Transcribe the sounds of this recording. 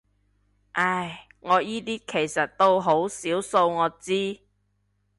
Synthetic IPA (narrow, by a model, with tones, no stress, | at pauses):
ʔɐ˥˩j | ŋɔː˨˧jiː˥t̪iː˥kʰe˨˩jsɐ˨t̚t̪o˥wɦo˨˥wsiː˨˥wso˧wŋɔː˨˧t͡siː˥